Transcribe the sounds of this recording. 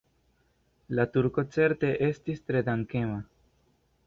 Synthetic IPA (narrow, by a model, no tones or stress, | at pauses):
lat̪uɾko̞t͡se̞ɾt̪e̞ʔe̞st̪ist̪ɾe̞d̪aŋke̞ma